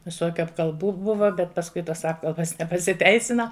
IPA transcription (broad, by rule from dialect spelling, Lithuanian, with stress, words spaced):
ʋʲɪˈsoːkʲʊ ɐpkɐlˠˈbuː ˈbʊʋɐ bʲɛt pɐsˈkʊɪ toːs ˈɑːpkɐlˠbɐs nʲɛpɐsʲɪˈtʲɛɪsʲɪnɐ